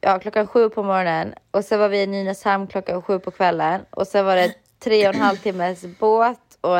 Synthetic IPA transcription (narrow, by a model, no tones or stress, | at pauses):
jɑːkʰlɔkːanɧʉ̟ːpʰɔmɔɾɔnənʔɔsɛnvaɾvɪnːiːnashɛmnkʰlɔkːanɧʉ̟ːpʰɔkʰvɛlːənɔ̰sɛnvaɖɛ | t̪ʰːɾeːɔnɦalvt̪ʰɪmːəsboːt̪ | ɔ